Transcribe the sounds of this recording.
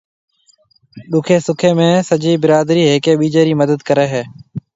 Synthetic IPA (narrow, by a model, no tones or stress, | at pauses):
ɗʊkʰeːsʊkʰeːmẽːsəd͡ʒiːbɪɾaːd̪ɾiːɦeːkeːɓiːd͡ʒeːɾiːməd̪əd̪kəɾeːɦeː